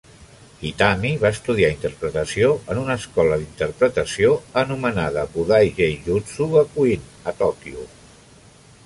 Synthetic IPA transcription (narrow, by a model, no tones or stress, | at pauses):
it̪amiβaəst̪uðiaint̪əɾpɾət̪əsioənunəskɔləðint̪əɾpɾət̪əsioənumənaðəβuðajʒejʒusuβəkuinət̪ɔkiu